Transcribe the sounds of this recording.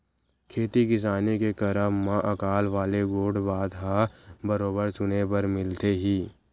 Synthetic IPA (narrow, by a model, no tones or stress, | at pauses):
kʰeːt̪ikɪs̬aːnekekəɾəɦmãʔɐkaːlʋaːleɡoːɽbaːd̪ɦabəɾoːbəɾt͡ʃʊnepəɾmɪlt̪eɦiː